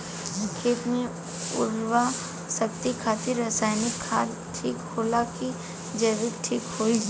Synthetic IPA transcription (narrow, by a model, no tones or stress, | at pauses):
kʰeːt̪mẽ | ʊɾwa | sɐk̚t̪ikʰaːt̪ɪɾːɐsaːjnɪkʰːa | ʈʰiːkhoːlaki | d͡ʒəʋɪk̚ʈʰiːkɦoːid͡ʒ